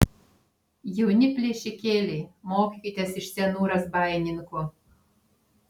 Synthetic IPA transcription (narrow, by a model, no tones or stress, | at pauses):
jɛʊnʲɪpʲlʲeɛʃʲɪkʲeːlʲeːmoːkʲikʲit̪ʲɛsɪʃsʲɛnuːɾɐsbɑːjɛnʲɪŋko